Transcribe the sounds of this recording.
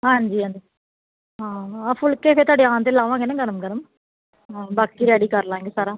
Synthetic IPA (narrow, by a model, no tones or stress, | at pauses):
ãːɐnd͡ʒiɐnd͡ʒi | aːaːfʊɭkeːfeːt̪aːɽiãːnd̪ɪlːaːʋãːŋɡɛnːɯŋɡɐnɐmɡɐnɐm | abɐkːiɾɐɽikaːɾɐlãːŋɡesaːɾã